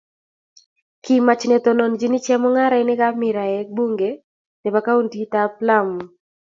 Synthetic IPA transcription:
ki˨ma˨t͡ʃnɛ˨t̪ɔ˨no˨nd͡ʒi˦nɪ˦t͡ʃɛ˦mɔ˦ŋa˦ɾa˨˦nɪ˦ka˦mɪ˨ɾa˨ɛ˨˦bu˦ŋɡe˨ | nɛ˨pa˨ka˦u˦nti˦t̪a˦pla˦mu˨

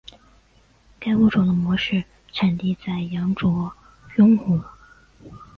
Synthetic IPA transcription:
ka˥ɪu˥˩ʈ͡ʂo˨˩ʊd̪ə˦mwɔ˧˥ʂɻ̩˥˩ | ʈ͡ʂʰa˨˩nt̪i˥˧t͡sa˥˩ɪjɑ˧˥ŋʈ͡ʂwɔ˧˥ | jʊ˥ŋxu˨˩˦

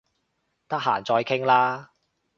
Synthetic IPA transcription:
t̪ɐ˥k̚ɦa̰ː˨˩nt͡sɔː˧jkʰɪ˥ŋlaː˥

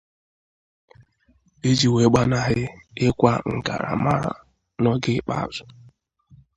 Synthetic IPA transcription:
e˦d͡ʒi˨we˨˦ɡ͡ba˦na˦ɦɪ˦ɪ˦kʷa˦ŋ̩˨ɡa̰˨ɾa̰˨ma˦ɾa̰˨ | nɔ˦ɡɪ˦k͡pa̰˦a̰˨zʊ˨

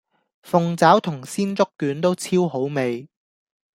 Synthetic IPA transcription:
fʊ˨ŋt͡saː˨˥wt̪ʰʊ˨˩ŋsiː˥nt͡sʊ˥kːyː˨˥nt̪o˥wt͡sʰiː˥wɦo˨˥wme˨j

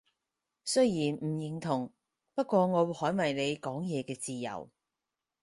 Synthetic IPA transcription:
sɵ˥ɥjiː˨˩nm̩˨˩jɪ˨˩ŋt̪ʰʊ˨˩ŋ | pɐ˥t̚kʷɔː˧ŋɔː˨˧whɔː˨˥jmɐ˨˩jne˨˧jkɔː˨˥ŋjɛː˨˧kɛː˧t͡siː˨jɐ̰˨˩w

